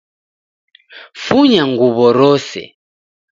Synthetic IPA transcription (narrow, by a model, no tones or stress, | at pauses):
fuɲaŋɡuβɔɾɔsɛ̰